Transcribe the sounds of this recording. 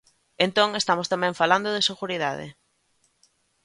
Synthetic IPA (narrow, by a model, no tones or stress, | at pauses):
ent̪õŋest̪amost̪amɛ̃ɱfaland̪oðeseɣuɾiða̰ðɪ̰